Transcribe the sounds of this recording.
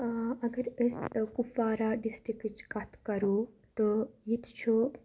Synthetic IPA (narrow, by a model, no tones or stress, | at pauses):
ɐɡɐɾəskufaːɾaɖisʈɾikɨt͡ʃkat̪ʰkɐɾu | t̪ojit̪ʰt͡ʃʰu